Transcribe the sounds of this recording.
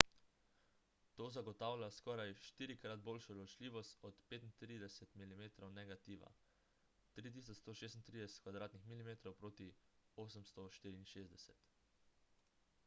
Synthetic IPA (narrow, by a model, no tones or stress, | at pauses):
t̪oːzaɡɔt̪aːwlʲjaskɔːɾajʃt̪iːɾikɾad̪̚boːlʃɔd̪lɔt͡ʃlʲiːʋɔst̪ɔt̪peːt̪int̪ɾid̪ɛsɛt̪milimeːt̪ɾɔwnɛɡat̪iːʋa̰ | t̪ɾiːt̪̬iːs̬ɔst̪oːʃeːs̬t̪nt̪ɾid̪ɛsɛ̥t̪kʋad̪ɾaːt̪nixmilimeːt̪ɾɔwpɾoːt̪ioːsəmst̪ɔʃt̪iːɾiːnʃeːzd̪ɛsɛt̪